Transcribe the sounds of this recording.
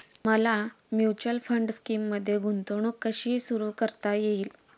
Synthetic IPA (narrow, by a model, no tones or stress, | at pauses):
məla | mjut͡ɕəlfəɳɖskiːmːəd̪ʱːjeɡʱunt̪oɳ̃uːkːəɕiːsuɾuːkəɾt̪ajeiːl